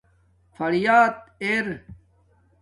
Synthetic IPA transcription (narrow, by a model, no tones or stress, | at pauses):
fɐɾijaːt̪̚eːɾ